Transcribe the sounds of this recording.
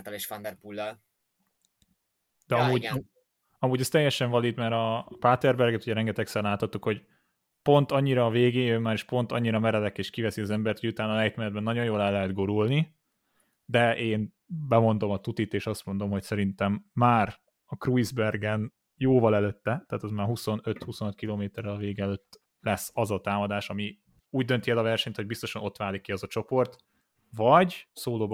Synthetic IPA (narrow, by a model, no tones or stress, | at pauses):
t̪ɒleʃfɒnd̪ɛrpulːɒl | d̪̥ɛɒmuːɟ | ɒmuːɟɛst̪ɛjːɛʃɛɱvɒlit̪mɛɾɒpaːt̪ɛrbɛrɡɛt̪uɟɛɾɛŋɡɛt̪ɛksɛllaːt̪hɒt̪ːukho̞ɟ | po̞nt̪ɒɲːiɾɒːveːɡeːømːaːɾiʃpo̞nt̪ɒɲːiɾɒmɛɾɛlɛkeːʃkivɛsiɒzɛmbɛrt̪hojut̪aːnɒlɛjt̪mɛnɛd̪bɛnːɒɟo̞joːlɛlːɛɦɛd̪ɡoɾulni | d̪ɛʔeːn | bɛmo̞nd̪o̞mɒt̪ut̪it̪eːʃɒst̪mo̞nd̪o̞mɦo̞csɛɾint̪ɛmːaːr | ɒkruizbɛrɡɛn | joːvɒlɛløːt̪ːɛt̪aːt̪ɒzmaːrɦuso̞nøt̪huso̞nt̪kiloːmeːt̪ɛɾɛlɒveːɡɛløːt̪ː | lɛsːɒzɒt̪aːmɒd̪aːʃɒmi | uːɟ̚d̪ø̞nt̪iɛlɒvɛrʃɛɲt̪ho̞ɟ̚bist̪o̞ʃɒno̞t̪ʋaːlikːiɒzɒt͡ʃo̞po̞rt̪ | vɒɟsoːloːb